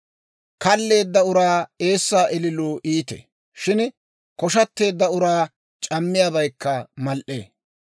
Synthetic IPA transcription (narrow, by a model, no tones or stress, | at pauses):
kɐlːe̞ːd̪ːɐʊɾaːe̞ːsːaːʔɛlɪloːʔiːt̪ḛ | ʃɪn | kɔʃɐt̪ːe̞ːd̪ːɐʊɾaː | t͡ʃʼɐmːɪjabɐjkːɐmɐlʔḛː